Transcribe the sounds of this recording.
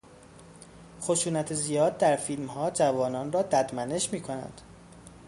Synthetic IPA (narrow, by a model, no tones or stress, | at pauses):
χoʃuːnæt̪ʰezijɒːd̪ːæɾfilmhɒːd͡ʒævɒːnɒːnrɒːd̪æd̪mæne̞ʃmiːkʰo̞næ̰nd̪̥